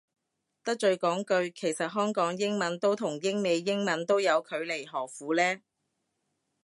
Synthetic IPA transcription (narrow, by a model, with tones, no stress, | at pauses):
t̪ɐ˥k̚t͡ʃɵ˧ɥkɔː˨˥ŋkɵ˧ɥkʰe˨˩jsɐ˨t̚ɦœː˥ŋkɔː˨˥ŋjɪ˥ŋmɐ˨˧nt̪o˥wt̪ʰʊ˨˩ŋjɪ˥ŋme˨˧jːɪ˥ŋmɐ˨˥nt̪o˥wjɐ˨˧wkʰɵ˨˧ɥle˨˩jɦɔː˨˩fuː˨˥lɛː˥